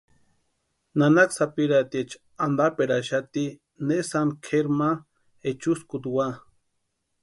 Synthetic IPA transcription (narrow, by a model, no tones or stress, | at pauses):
nanaksapiɾat̪iet͡ʃ | and̪apeɾaʃat̪i | nesankʰeɾma | et͡ʃuskut̪wa